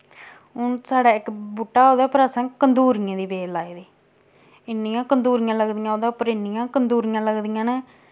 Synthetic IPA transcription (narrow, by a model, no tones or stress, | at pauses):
ʊnsaːɽaːɪkbuʈːaːoːd̪ɛːpəɾəsãːkənd̪uːɾɪjãːd̪iːbeːlaːed̪iː | ɪnːɪjãːkənd̪uːɾɪjãːləɡd̪ijãːoːd̪aːpəɾɪnːɪjãːkənd̪uːɾɪjãːləɡd̪ijãːnɛː